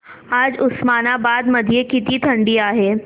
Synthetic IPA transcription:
aːd͡ʒʊsmaːnabaːd̪mɐd̪ʱjekɪt̪it̪ʰɐ̃ɳɖiaːɦeː

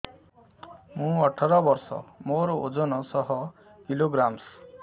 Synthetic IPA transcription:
mũɔʈʰɔɾɔbɔɾsɔ̰moɾɔod͡ʒɔnɔsɔɦɔ | kiloɡɾams

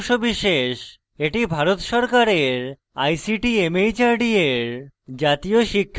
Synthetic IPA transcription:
ʃobiʃeʃ | eʈibʱaɾot̪ʃɔɾkaɾeɾ | a̰jsiʈiemejt͡ɕaɾɖieɾd͡ʑat̪ijoʃikʰː

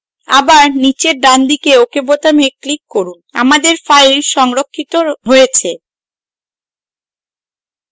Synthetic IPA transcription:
a̰baɾnit͡ɕeɾɖand̪ikeokebot̪ameklikːoɾuna̰mad̪eɾfajlʃɔŋɾokʰːit̪oɦojet͡ɕʰe

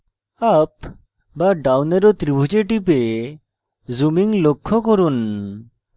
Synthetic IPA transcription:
ap | baɖawneɾɔt̪ɾibʱud͡ʒeʈip̬e | zumiŋlokʰːokoɾun

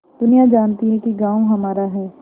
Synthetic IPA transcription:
d̪̥ʊnijad͡ʒaːnt̪iɦɛ̃kiɡãːwoɦɐmaːɾaɦɛː

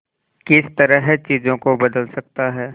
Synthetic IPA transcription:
kɪst̪ɐɾəɦt͡ʃiːzõkobɐd̪əlsɐk̚t̪aɦɛː

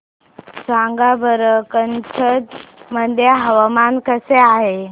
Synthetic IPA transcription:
sãŋɡabʱəɾəkənt͡sʰəd̪məd̪ʱjaɦəʋamankəseaɦe

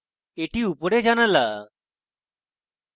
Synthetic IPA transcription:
eʈiupəɽed͡zanala

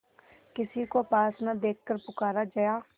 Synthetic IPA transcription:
kɪsiːkoːpaːsnaːd̪eːkʰkəɾpʊkaːɾaːd͡ʒajaː

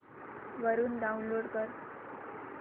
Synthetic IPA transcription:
ʋəɾuːnɖaunloɽkəɾ

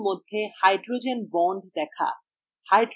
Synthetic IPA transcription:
mod̪ʱːehajɖɾod͡ʑenbɔɳɖ̚d̪ɛkʰa̰ | hajɖɾ

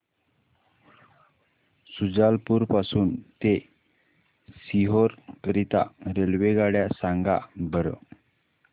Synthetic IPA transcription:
sud͡zalpuːɾpasuːnt̪e | siɦoɾkəɾit̪a̰ɾelʋeɡaɽjasaŋɡa̰bəɾə̰

